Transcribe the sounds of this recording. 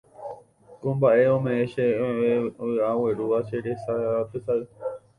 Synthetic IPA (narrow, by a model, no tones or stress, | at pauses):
kõmbaʔeõmẽeʃeeoaweɾuʋaseɾesaaat̪esaɨ